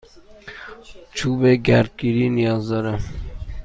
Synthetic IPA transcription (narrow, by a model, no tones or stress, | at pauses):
t͡ʃʰuːbeɡaɾd̪̚kiɾinijɑːzd̪ɐɾa